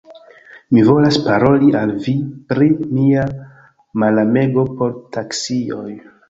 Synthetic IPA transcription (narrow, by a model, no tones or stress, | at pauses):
mivo̞laspaɾo̞liʔalvipɾimia | malame̞ɡo̞po̞ɾtʰaksio̞j